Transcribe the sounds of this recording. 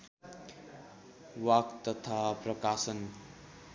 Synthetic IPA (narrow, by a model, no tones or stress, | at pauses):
wakt̪ʌt̪ʰaprʌkasʌn